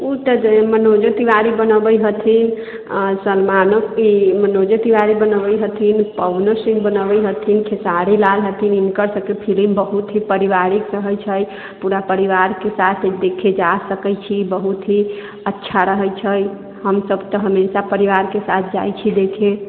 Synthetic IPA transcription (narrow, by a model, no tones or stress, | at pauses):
ut̪əd͡ʒmənod͡ʒot̪iʋaɾibənəbəjɦət̪ʰin | səlmanokimənod͡ʒot̪iʋaɾibənəbəjɦət̪ʰinpəwnəɾsĩŋɡ̚bənəbəjɦət̪ʰinkʰesaɾilalɦət̪ʰininkəɾsə̃kepʰilimbəɦut̪ɦipəɾiʋaɾikɾəɦəjt͡ʃʰəj | puɾapəɾiʋaɾkesat̪ʰd̪ekʰed͡ʒasəkəjt͡ʃʰibəɦut̪ɦi | ətːʃʰaɾəɦət͡ʃʰəj | ɦəmsəbt̪əɦəmesapəɾiʋaɾkesat̪̚ʰd͡ʒa̰jt͡ʃʰid̪ekʰe